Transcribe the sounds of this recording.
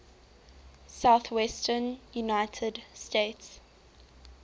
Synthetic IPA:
saʊθwɛstənjunaɪtʰədsteɪts

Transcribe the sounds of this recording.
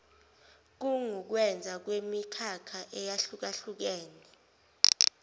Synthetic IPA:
k̬uŋuk̬wɛnd͡zʱak̬wemikʰakʰaʔɛjaɬuk̬aɬuk̬ɛːnɛ

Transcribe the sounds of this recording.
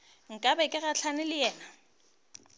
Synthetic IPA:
ŋ̩kʼabɛkʼɪɣaɬʰanɪlɪjɛːna

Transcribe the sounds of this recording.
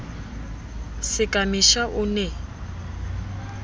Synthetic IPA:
sɪkʼamiʃaʔʊnɛ

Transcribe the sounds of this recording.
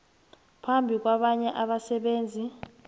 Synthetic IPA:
pʰambʱik̬waɓaɲɛʔaɓasɛɓeːnd͡zʱi

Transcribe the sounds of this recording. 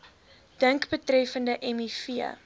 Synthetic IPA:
d̥əŋkbətrɛfəndəʔɛmifiə̰

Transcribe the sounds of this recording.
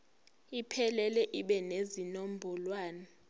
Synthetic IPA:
ipʰɛlɛlɛʔiɓɛnezinom̩bʱɔlwaːna

